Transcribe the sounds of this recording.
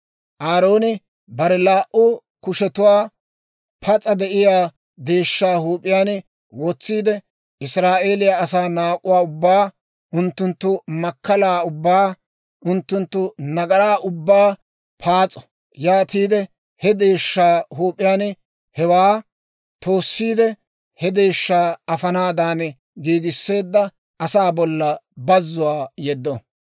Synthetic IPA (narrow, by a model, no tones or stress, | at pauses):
ʔaːɾo̞ːnɪ | bɐɾɛlaːʔʊkʊʃɛt̪ʊwaː | pʰɐt͡sʼɐd̪ɛʔɪjaː | d̪eːʃːaːɦuːpʼːɪjaːn | wɔt͡sːiːd̪ɛ | ɪsɾaːʔe̞ːlɪjaːsaːnaːkʼːʊwaːʊbːaː | ʊnt̪ːʊnt̪ːʊmɐkːɐlaːʊbːaː | ʊnt̪ːʊnt̪ːʊnɐɡɐɾaːʔʊbːaː | pʰaːt͡sʼɔ̥ | jaːt̪iːd̪ɛ | hɛd̪e̞ːʃːaːhuːpʼːɪjaːn | hɛwaː | t̪o̞ːsːiːd̪ɛ | hɛd̪eːʃːaːɐfɐnaːd̪aːn | ɡiːɡɪsːe̞ːd̪ːɐ | ɐsaːbɔlːɐbɐzːʊwaːjɛd̪ːɔ